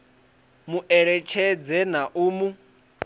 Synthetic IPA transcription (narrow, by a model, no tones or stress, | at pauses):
muʔɛɺɛt͡ʃʰɛd͡zɛnaʔuːmu